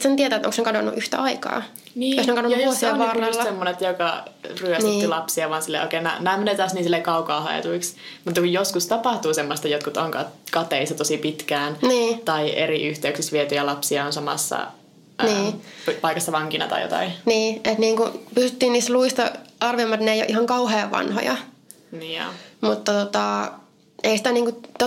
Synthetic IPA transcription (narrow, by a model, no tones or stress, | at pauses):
t̪sent̪iɛet̪æːt̪o̰ŋsnekɑdonːṵʔyht̪æ̰ʔɑikɑ̰ː | niːoksneŋkɑnonusiɑʋɑːrːɑlːɑsemːonet̪jokɑryætniːt̪ːilɑpsiɑʋɑːnsilːḛʔo̰kenæ̰ːnæːmenet̪ɑːsniːnsilːekɑukɑːhɑ̰ḛt̪uiksmut̪ːɑkujjoskust̪ɑpɑht̪uːsemːost̪ɑjot̪kut̪oŋkɑkɑt̪eisːɑt̪osipit̪kæːnniːt̪ɑiʔḛriʔyht̪eyksisʋiɛt̪yjælɑpsiɑonsɑmɑ̰sːɑ̰ | niːppɑikɑsːɑʋɑŋkinɑ̰t̪ɑ̰jo̰t̪ɑ̰iniːet̪niːŋkupysyt̪ːiːniːst̪luist̪ɑ̰ʔɑrʋiomːɑt̪neijoʔihɑŋkɑuheːʋɑ̰nho̰jɑ̰ | nio̰mut̪ːɑt̪ot̪ɑ | eisi̥t̪æniːŋkut̪o